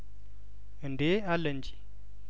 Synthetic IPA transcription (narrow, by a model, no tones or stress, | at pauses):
ndealənd͡ʒi̥